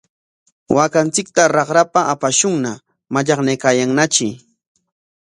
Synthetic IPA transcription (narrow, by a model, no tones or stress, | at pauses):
wʔakant͡sɪk̚t̪aɾɑχɾapaapaʃʊŋna | maʎɑχnajkaːjaŋnat͡ʃɪ